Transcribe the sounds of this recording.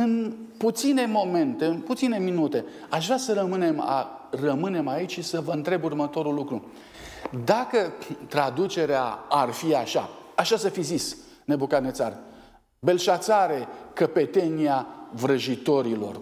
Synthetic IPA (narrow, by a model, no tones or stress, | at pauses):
ɨnput̪sine̞mo̞me̞nt̪e̞ɨnput̪sine̞minut̪e̞ | aʃvɾasəɾəmɨne̞ma̰rəmɨne̞mait͡ʃʃisəvəɨnt̪ɾe̞burmət̪o̞ɾulːukɾu | d̪akət̪ɾad̪ut͡ʃe̞ɾeaarfiaʃa̰aʃasəfizis | ne̞bukat̪net̪sar | be̞lʃat̪saɾekəpe̞t̪e̞niavɾəʒit̪o̞ɾilo̞̰r